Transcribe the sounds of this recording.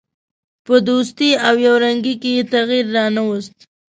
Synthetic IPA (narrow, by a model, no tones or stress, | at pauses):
pəd̪os̬t̪iawjawɾaŋɡikejet̪aɣiɾːɑnawəst̪